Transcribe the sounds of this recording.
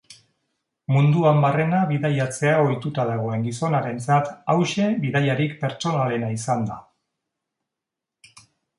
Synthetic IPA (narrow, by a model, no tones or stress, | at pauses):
mund̪uambare̞naβiðajat͡se̞ao̞jt̪ut̪aðaɣ̞o̞e̞ŋɡiso̞naɾe̞nt͡sat̪awʃe̞βiðajaɾikpe̞ɾt͡so̞nale̞naisand̪a